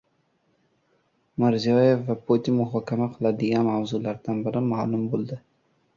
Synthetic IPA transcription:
mɪɾzijɒjefvapʰot̪ʰinmʊɦɒːkʲʰamaqʰɨlˠad̪ɪɡʲanmawzulaɾd̪anbɪɾɪmaːlʊmbolˠd̪ɪ

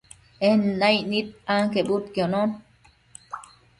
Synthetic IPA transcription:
ehnnajnit̪̚aŋkeʔbut̪kjonon

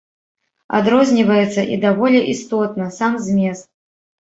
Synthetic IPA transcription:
a̰d̪ɾɔzʲnʲivɐjɛt̪sːɐʔid̪avɔlʲɛʔist̪ɔt̪nɐsamzʲmʲɛst̪̚

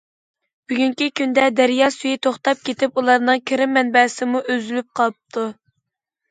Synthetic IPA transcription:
b̥yɡʲyŋkʲikʲynd̪ɛd̪æɾjɑːsyjit̪ʰoχt̪ɑp̚kʲʰet̪ɪpulˠɑɾnɨŋkʲʰɪɾɪmːɛnbɛsɪmuʔøzylyp̚qʰɑlˠp̚t̪ʰu

